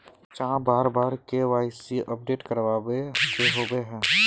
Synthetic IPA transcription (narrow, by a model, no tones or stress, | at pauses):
t͡ʃaãbaːɾbaːɾkeʋaːɪsiʔəp̚ɖeːʈkəɾʋaːbekeɦoːbeɦɛ̃ː